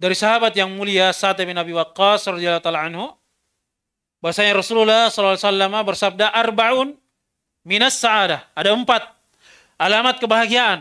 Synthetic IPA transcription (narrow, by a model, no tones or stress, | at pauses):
daɾisaɦabat̪jaŋmuliasat̪abinabiwaqːasrɑd̪ialːhut̪alaʕanhu | baasaɲaɾɔsululːahsɔlːɔlasalːamabərsab̚daʔarbaʔun | minasːaʔadaadaəmpat̪̚ | ʔalamat̪̚kəbaɦaɡiaʔan